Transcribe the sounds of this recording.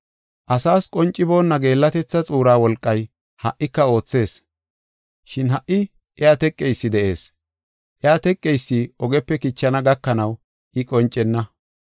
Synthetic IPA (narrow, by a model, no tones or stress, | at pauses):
ʔɐsaːskʼɔnt͡ʃʼːɪbo̞ːnːɐɡe̞ːlːɐt̪ɛt͡sːɐt͡sʼuːɾaːwɔlkʼːɐj | hɐʔːɪkːɐo̞ːt͡sːe̞ːs | ʃɪnɦɐʔːɪ | ʔɛaːt̪ɛkʼːɛjsːɪd̪ɛʔe̞ːs | ʔɛaːt̪ɛkʼːejsːɪɔɡɛpːɛkɪt͡ʃːɐnɐɡɐkːɐnɐw | ʔɪkʼɔnt͡ʃʼːɛnːɐ